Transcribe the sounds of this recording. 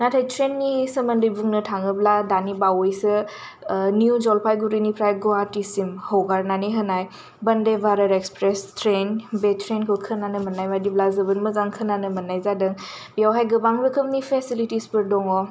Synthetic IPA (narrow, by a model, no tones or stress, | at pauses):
natʰajtʰɾenːisəmɐndɯjbuŋnɯtʰaŋɯbladanibawɔjsɯ | niud͡ʒɔlpʰajɡuɾinipʰɾajɡɔatisimhəwɡaɾnaniɦənaj | bɐndebaɾəɾekspɾestʰɾenbetʰɾenkʰɯwkʰɯnanɯmɐnːajmadiblazəbɯnməzaŋkʰɯnanəmɐnːajzadɯŋbijawɦajɡɯbaŋbɯkʰɯmnipʰesilitispɯɾdɔŋɔ